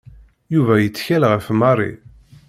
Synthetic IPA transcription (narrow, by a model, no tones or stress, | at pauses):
juvæjət͡sːçælʁəfmɑrˤḭ